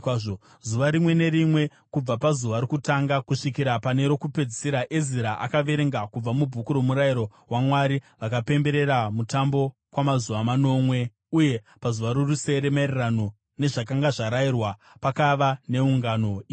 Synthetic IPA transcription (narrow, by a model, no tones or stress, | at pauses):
ʐo | zuʋaɾimwe̞ne̞ɾimwe̞ | kub͡vapazuʋaɾokutaŋɡakuʂikiɾapane̞ɾo̞kupe̞d͡zisiɾaʔeziɾaʔakaʋe̞ɾe̞ŋɡakub͡vamubʱukuɾo̞muɾaiɾo̞ɦwamwaɾiʋakape̞mbe̞ɾe̞ɾamutambo̞ | kwamazuʋamano̞mwe̞ | uje̞ | pazuʋaɾoruse̞ɾemaerrano̞ | ne̞ʐakaŋɡaʐaɾairwa | pakaʋane̞uŋɡano̞iː